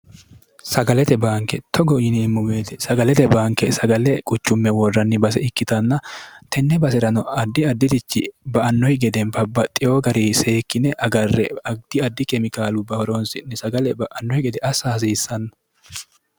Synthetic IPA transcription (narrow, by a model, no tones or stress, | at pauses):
sɐɡɐlɛt̪ɛbaːŋkɛt̪ʰɔɡɔjɪnimːʊmeːt̪ɛsɐɡɐlɛt̪ɛbaːŋkɛsɐɡɐlɛkʼʊt͡ʃːʊmːɛwɔrːɐnːɪbɐsɛɪkːɪt̪ɐnːɐt̪ɛnːɛbɐs̬ɛɾɐnɔɐd̪ːɪɐd̪ːɪt̪ɪt͡ʃːɪ̰bɐʔɐnːɔjɡɛd̪ɛnbɐbɐt̪ʼːɪjoːɡɐɾiːse̞ːkːɪnɛʔɐɡɐrːɛɐd̪̥ɪɐd̪ːɪkɛmɪkaːlʊbɐhɔɾonsɪnːɛsɐɡɐlɛbɐʔɐnːɔjɡɛd̪ɛʔɐsɐɐs̬iːsːɐnːɐ̥